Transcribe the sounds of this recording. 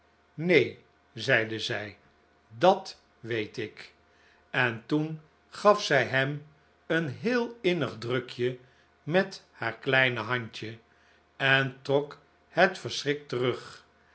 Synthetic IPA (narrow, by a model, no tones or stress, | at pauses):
nej | zɛjdəzɛj | dɑt | ʋejtɪk | ɛntun | χɑfsɛjɦɛm | ənɦɪːlˠɪnəχdrɵkʰjə | mɛthaːɹklɛjnəɦɑɲt͡ʃə | ɛntrɔk | hətfəɹsrɪk̚tərɵχ